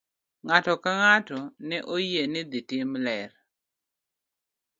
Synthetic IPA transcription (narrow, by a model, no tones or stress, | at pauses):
ŋatɔkaŋatɔnɛʔojenɪd̪ɪtɪmlɛɾ